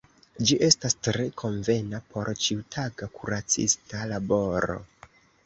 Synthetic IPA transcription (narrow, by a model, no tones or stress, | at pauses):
d͡ʒiʔe̞stastɾe̞kʰo̞ɱve̞napʰo̞ɾt͡ʃiutʰaɡakuɾat͡sḭstalabo̞ɾo̞̰